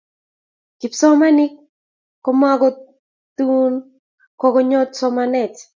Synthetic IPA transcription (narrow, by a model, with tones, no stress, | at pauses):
ki˨psɔ˦ma˦nɪ˦ | kɔma˦ɡɔ˦ | t̪u˦n | kɔ˦ɡɔ˦ɲɔ˦tsɔ˦manɛ˨t͡ʃ